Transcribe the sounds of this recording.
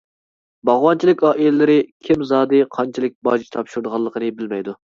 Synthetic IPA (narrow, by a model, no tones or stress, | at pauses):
bɑʁwɑnt͡ʃʰilɪkʲɑːʔilɪlɪɾɪkʲʰimzɑːd̪ɨqʰɑnt͡ʃʰilˠɪk̚ʲbɑːd͡ʒit͡ʃt̪ʰɑpʃuɾd̪əʁɑlˠːəqʰənɨbɪlmɛjd̪u